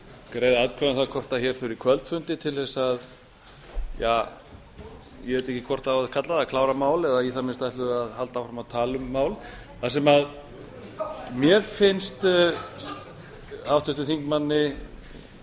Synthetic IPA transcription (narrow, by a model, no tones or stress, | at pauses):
kɾeːjðaðkʰvɛnθakʰɔr̥t̪açɛɾ̥fʏɾikʰvœlt̪fʏnt̪ɪt̪ʰɪlθɛsað | jaː | jɛvɛt̪ɛhcːɪkʰvɔr̥t̪awaðkʰat̪laðakʰlaːwɾamaːwlɛðajɛθamɪnst̪ajht̪ʏɣaðhalt̪awfɾamaðt̪ʰaːlʏmːaːwl | θasɛmað | mjɛɾfɪnst̪ | hawt̪ʏht̪ʏθiŋkmanːɪ